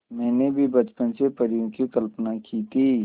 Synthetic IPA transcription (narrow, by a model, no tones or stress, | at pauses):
mɛ̃ːnebʱibɐt͡ʃpənsepəɾjõkikəlpnakiːt̪ʰi